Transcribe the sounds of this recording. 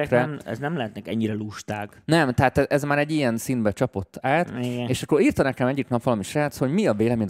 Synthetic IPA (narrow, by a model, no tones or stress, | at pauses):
krɛmɛ̰znɛmlɛɦɛt̪nɛkɛɲːiɾɛluʃt̪aːɡnɛmt̪ɛɦaːt̪ɛʔɛzmaːɾɛɟːijɛnsinbɛt͡ʃɒpo̞t̪ːaːt̪iɡeːʃɒkːo̞ɾiːrt̪ɒnɛkɛmɛɟːiknɒpvɒlɒmiʃraːt̪sho̞ɟmiɒveːlɛmeːɲn